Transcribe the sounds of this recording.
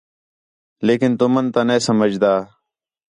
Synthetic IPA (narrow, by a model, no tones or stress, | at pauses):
leːkɪnt̪umənt̪aneːsəməd͡ʒd̪aː